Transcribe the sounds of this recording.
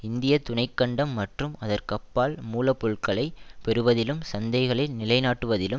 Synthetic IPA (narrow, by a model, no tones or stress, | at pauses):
ɪnd̪ɪjɐt̪ʊɳɐɪkːɐɳɖɐmːɐʈrɯmɐðɐrkɐpːaːlmuːlɐpːʊɻkɐɭɐɪpɛɾɯʋɐðɪlɯmsɐnd̪ɐɪɣɐɭɐɪlnɪlɐɪnaːʈːɯʋɐðɪlɯ